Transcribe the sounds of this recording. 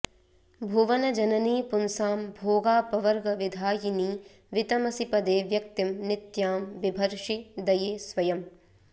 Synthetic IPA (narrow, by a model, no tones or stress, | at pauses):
bʱuʋɐnɐd͡ʒɐnɐniːpunsaːmbʱoːɡaːpɐʋɐɾɡɐʋid̪ʱaːjiniː | ʋit̪ɐmɐsipɐd̪eːʋjɐk̚t̪imnɪt̪jaːmʋibʱɐɾʃid̪ɐjeːsʋɐjɐm